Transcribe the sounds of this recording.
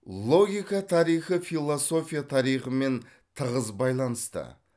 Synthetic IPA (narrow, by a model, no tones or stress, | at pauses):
lˠo̞ɡʲijkɑt̪ʰɑɾijχəfilˠo̞so̞fʲijat̪ʰɑɾijχəme̞n | t̪ʰəʁəzbɑjlˠɑnəst̪ə̰